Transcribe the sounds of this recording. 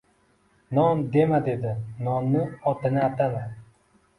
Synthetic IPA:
nɒmd̪e̞mad̪e̞d̪ɪnɒmnɪɒt̪ɪnɪat̪ama

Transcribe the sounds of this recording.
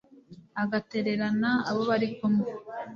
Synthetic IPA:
aɡate̞ɾe̞ɾanaaβo̞βaɾikomo

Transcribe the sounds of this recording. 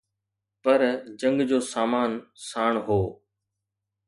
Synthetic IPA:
pɐɾd͡ʑɐ̃ŋɡd͡ʑoːsaːmaːnsaːɳ̃ɦoː

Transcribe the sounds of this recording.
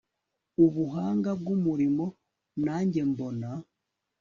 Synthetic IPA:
uβuɦaːŋɡab̚ɡumuɾimo̞ | naːɲɟe̞mbo̞na

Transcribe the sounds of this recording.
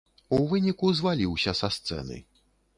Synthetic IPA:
uvɨnʲikuzvalʲiwsʲɐsɐst̪sɛ̰nɨ̰

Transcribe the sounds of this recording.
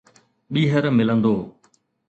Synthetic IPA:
ɓiːɦəɾmɪlə̃nd̪oː

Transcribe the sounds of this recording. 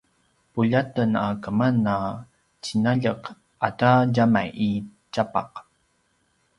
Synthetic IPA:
puʎatənakəmanːa | t͡ɕinaʎəq | ʔataɟamajʔit͡ɕapa̰q

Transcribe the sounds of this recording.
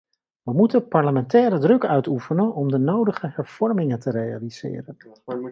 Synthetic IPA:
ʋəmutənpɑɹləmɛntɛːɾədrɵkœɥtufənənɔmdənowdəχəɦɛɹv̥ɔɹmɪŋəntəreja̰liz̥ɪ̰ːrən

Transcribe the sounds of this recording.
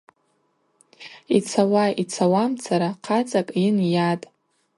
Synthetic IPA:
it͡sʰawait͡sʰawamt͡sʰaɾaqʰat͡sʼakʼinjatʼ

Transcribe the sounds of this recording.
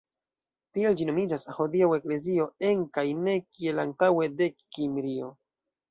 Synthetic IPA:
tie̞ld͡ʒino̞mid͡ʒashodiawe̞kle̞zio̞e̞ŋkajne̞kie̞lantawe̞de̞kːimɾio̞

